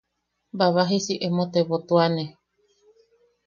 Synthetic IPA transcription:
baβaɦisiʔemõt̪eβot̪uane

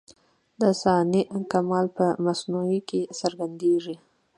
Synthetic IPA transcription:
d̪əsɑnikamɑlpəmasnuikesəɾɡand̪eʐi

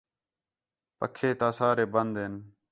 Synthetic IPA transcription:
pə̰kʰːeːt̪aːsaːɾeːbənd̪ɦen

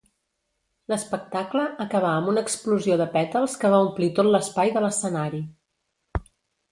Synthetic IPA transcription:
ləspək̚t̪akləːkəβ̞aəmunəkspluzioðəpɛt̪əlˠskəβaumplit̪ot̪ləspajðələsənaɾi

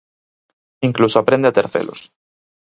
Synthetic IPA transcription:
iŋklusoapɾend̪eat̪eɾθḛlo̰s

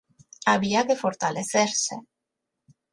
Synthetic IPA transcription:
aβiakefo̞ɾt̪aleθeɾsḛ

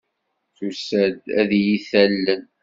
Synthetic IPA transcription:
θusæd̪æðjiθælːən

